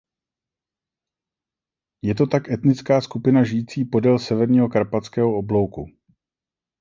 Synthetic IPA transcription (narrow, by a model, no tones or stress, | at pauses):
jɛt̪o̞t̪akʔɛt̪nɪt͡skaːskupɪnaʒɪjiːt͡siːpo̞dɛlsɛvɛɾɲiːɦo̞kaɾpat͡skɛːɦo̞oblo̞wkṵ